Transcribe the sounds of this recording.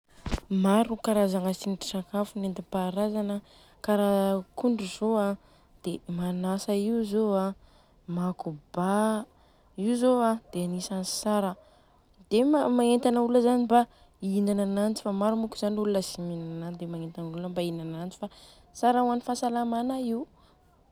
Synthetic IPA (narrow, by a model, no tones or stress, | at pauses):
maɾukaɾazaŋasiniʈ͡ʂi̥sakafunent̪ipaɾazanə | kaɾakuɳɖ͡ʐuzoa | d̪̥emanasəiuzoa | makuba | iwzoad̪̥eanisansaɾə | d̪̥emamaŋent̪anəuləzaniba | inananant͡si̥famaɾumukuz̥anulunəsiminanand̪emaŋent̪anuləmbainanant͡si̥fa | saɾauanifasalamanaiu